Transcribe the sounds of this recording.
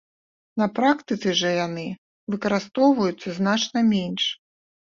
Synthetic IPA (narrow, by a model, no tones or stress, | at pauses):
nɐpɾakt̪ɨt̪sɨʐɐjanɨ | vɨkɐɾɨst̪ɔwvɐjut̪sːɐznat͡ʂnɐmʲenʲʂ